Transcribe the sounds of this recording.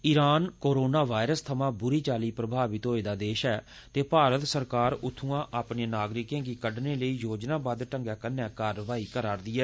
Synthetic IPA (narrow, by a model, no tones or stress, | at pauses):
ɪɾaːnkoːɾoːnaːʋaːɪɾəst̪ʰəmãːbʊɾiːt͡ʃaːliːpɾəbʱaːʋɪt̪ɦoːeːd̪aːd̪eːʃɛː | t̪eːpaːɾət̪səɾkaːɾʊt̪ʰːũːãːʔaːpneːnaːɡɾɪkẽːɡiːkəɖneːləiːjoːd͡ʒnãːbad̪ʈəŋɡɛːkənːɛ̃ːkaːɾəʋaːiːkəɾaːɾd̪iːɛː